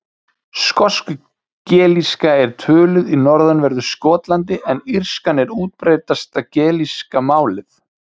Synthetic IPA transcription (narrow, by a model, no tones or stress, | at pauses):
skɔskʏ | cɛːliskaɛɾ̥t̪ʰʏːlʏðinɔɾðanvɛɾðʏskɔːt̪lant̪ɪʔɛnir̥skanɛɾuːt̪̚pɾeːjt̪ast̪acɛːliskamaːwlɪθ